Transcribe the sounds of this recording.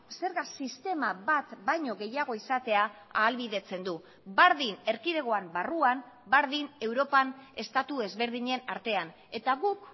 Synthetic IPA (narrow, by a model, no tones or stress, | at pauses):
se̞ɾɣasist̪e̞maβat̪bajɲo̞ɣe̞jaɣ̞o̞isat̪e̞aaːlβiðe̞t͡se̞nd̪u | baɾðine̞ɾkiðe̞ɣ̞o̞ambaruam | baɾðine̞wɾo̞pane̞st̪at̪ue̞zβe̞ɾðiɲe̞naɾt̪e̞an | e̞t̪aɣuk